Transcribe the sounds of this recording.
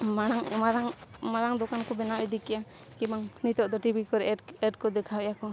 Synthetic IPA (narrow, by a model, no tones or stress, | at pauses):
manaŋmaɾaŋmaɾaŋd̪ɔkankɔbɛnawɛd̪ikɛja | kimaŋnit̪ɔʔd̪ɔʈibʱikɔɾɛɛʈkɔd̪ɛkʰawɛjakɔ